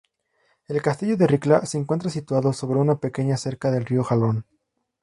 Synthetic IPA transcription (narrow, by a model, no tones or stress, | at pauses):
e̞lkast̪iʝo̞ðe̞riklase̞ːŋkwent̪ɾasit̪waðoso̞βɾe̞unape̞ke̞ɲase̞ɾkaðe̞lrio̞xalo̞n